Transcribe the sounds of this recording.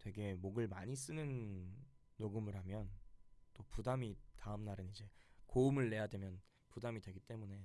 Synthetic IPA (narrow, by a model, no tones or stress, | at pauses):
twe̞ɡe̞moɡɯɭmaɲis͈ɯnɯnː | oɡɯmɯɾɦamjʌnt͈opudamitaɯmnaɾɯnid͡ʑe̞koumɯɭːe̞jadwe̞mjʌn | pudamidwe̞ɡit͈e̞mune̞